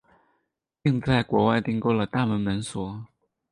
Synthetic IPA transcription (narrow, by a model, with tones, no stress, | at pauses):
pi˥˧ŋt͡sa˥˩ɪkwɔ˧˥wa˥˧ɪt̪i˥˧ŋko˥˧ʊlə˩t̪a˥˩mə˧˥nmə˧˥nswɔ˧˥